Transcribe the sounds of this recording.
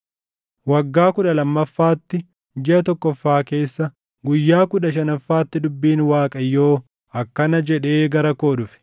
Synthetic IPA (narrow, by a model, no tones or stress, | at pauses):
wɐɡːaːkʊᶑɐlɐmːɐfːaːt̪ːɪ | d͡ʒɛʔɐt̪ɔkːɔfːaːke̞ːsːɐ | ɡʊjːaːkʊᶑɐʃ̬ɐnɐfːaːt̪ːɪd̪ʊbːiːnwaːkʼɐjːo̞ː | ɐkːɐnɐd͡ʒɛᶑe̞ːɡɐɾɐko̞ːᶑʊfɪ̥